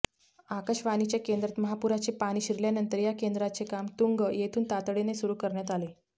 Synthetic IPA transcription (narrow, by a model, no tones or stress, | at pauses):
akəɕʋanit͡ɕjakend̪ɾət̪məɦapuɾat͡ɕepaɽ̃iːɕiɾljanənt̪əɾjakend̪ɾat͡sekamt̪uŋɡəjet̪ʰuːnt̪at̪ɽenesuɾuːkəɾɳjat̪ale